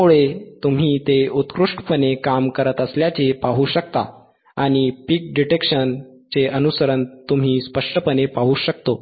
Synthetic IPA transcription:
uɭet̪um̤iːt̪eut̪kɾuʂʈpənekamkəɾət̪əsljat͡ɕepaɦuːɕək̚t̪a̰ | aɽ̃ipik̚ɖiʈekʂən | t͡seʔənusəɾənt̪um̤iːspəʂʈəpənepaɦuːɕəkt̪o

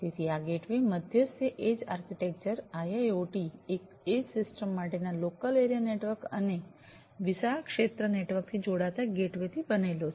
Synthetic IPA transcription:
t̪et̪ʰiaɡeʈʋeməd̪ʱjəsjəʔed͡ʒaɾkiʈek̚t͡ʃəɾajaoʈiek | ed͡ʒsɪsʈəmːaʈenalokəleɾijaneʈʋəɾkə̰ne | ʋɪsakʃet̪ɾəneʈʋəɾk̚t̪ʰid͡ʒoɽat̪aɡeʈʋet̪ʰibənelot͡ʃʰ

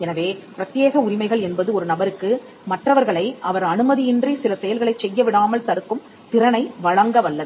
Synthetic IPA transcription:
ɛnɐʋeːpɪɾɐt̪jeːɣɐʊɾɪmɐɪɣɐɭɛnbɐðɯɔɾɯnɐbɐɾɯkːɯ | mɐʈrɐʋɐɾɣɐɭɐɪʔɐʋɐɾɐnɯmɐðɪjɪndrisɪlɐsɛjɐlɣɐɭɐɪt͡ʃsɛjːɐʋɪɽaːmɐlt̪ɐɽɯkːɯm | t̪ɪɾɐnɐɪʋɐɻɐŋɡɐʋɐɭːɐðɯ

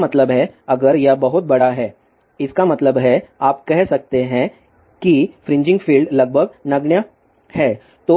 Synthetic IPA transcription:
mɐt̪ləbɦɛɐɡəɾjɐbɐɦʊt̪̚bɐɽaɦɛː | ɪskamɐt̪ləbɦɛaːp̚kɛɦsɐk̚t̪eɦɛ̃ | kifɾɪ̃ɲd͡ʒɪ̃ŋɡfiːlɖlɐɡ̚bʱəɡ̚nɐɡɳjə | hɛː | t̪oː

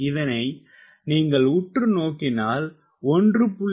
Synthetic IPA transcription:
ɪðɐnɐɪ | niːŋɡɐɭʊʈrɯnoːkɪnaːl | ɔndrɯpʊɭː

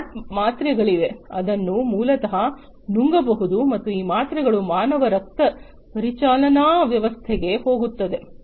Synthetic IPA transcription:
maːt̪ɾɛɡɐɭiʋe̞ɐd̪ɐnːumuːlɐt̪ɐɦɐ | nuŋɡɐbɐɦud̪umɐt̪ːuiːmaːt̪ɾɛɡɐɭumaːnɐʋɐɾɐk̚t̪ɐ | pɐɾit͡ʃaːlɐnaːʋjɐʋɐst̪ʰɛɡe̞ho̞ːɡut̪ːɐd̪e̞

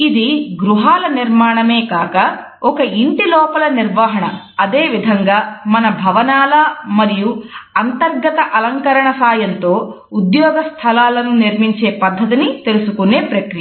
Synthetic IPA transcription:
id̪iɡɾuɦaːlɐniɾmaːɳɐme̞ːkaːkɐ | ɔkɐiɳʈilɔːpɐlɐniɾʋaːɦɐɳɐ̰ | ɐd̪eːʋid̪ʱɐŋɡaːmɐnɐbʱɐʋɐnaːlɐmɐɾijuɐnt̪ɐɾɡɐt̪ɐʔɐlɐŋkɐɾɐɳɐsaːjɐnt̪o̞ː | ud̪jɔːɡɐst̪ʰɐlaːlɐnuniɾmiɲt͡ʃe̞ːpɐd̪ʱːɐt̪̬init̪e̞lusukune̞ːpɾɐkɾi

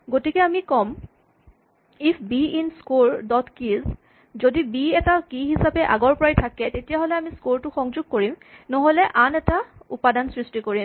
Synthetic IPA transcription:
ɡotikɛamikɔm | ipʰbiinskoɹdɔtkiz | zodibiɛtakiɦisapɛʔa̰ɡɔɹpɔɹajtʰakɛtetijaɦolɛamiskoltʊxɔŋzuɡ̚koɹimnɔɦolɛʔanɛtaṵpadansɹistikoɹim

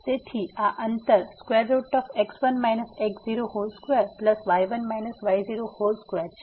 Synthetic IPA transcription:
t̪et̪ʰiaʔənt̪əɾskweɾːoʈɔfeksʋənmajnəsekziɾoholskʋeɾpləsʋajʋənmajnəsʋajziɾoholskʋeɾʰ

